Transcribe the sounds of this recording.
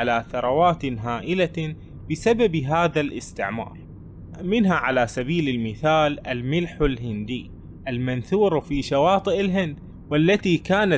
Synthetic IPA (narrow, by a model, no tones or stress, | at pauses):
alaːθɑɾˤɑwaːt̪ɦaːʔɪla | bɪsababɦaːðalʔɪst̪ɪʕmɑ̰ːɾˤ | mɪnɦaʕalaːsabiːlɪlmɪθaːlʔalmɪlħalɦɪnd̪iː | ʔalmanθuːɾfiːʃawɑːt̪ˤɨʔɪlɦɪnd̪ | walːat̪iːkaːna